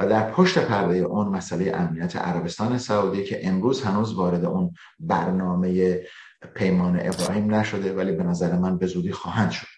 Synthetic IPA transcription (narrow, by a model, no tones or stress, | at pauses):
æd̪æɾpʰoʃt̪e̞pʰæɾd̪e̞jeʔunmæsʔælejḛʔæmnijæt̪ʰḛʔæ̰ɾæbe̞st̪ɒːnesæuːd̪icʰe̞ʔemɾuːzhænuːzvɒːɾe̞d̪e̞̰ʔun | bæɾnɒːme̞je | pʰe̞jmɒːnḛʔebɾɒːhiːmnæʃo̞d̪e̞væliːbe̞næzæɾemænbe̞zuːd̪iːxɒːhænd̪̥ʃo̞d̪̥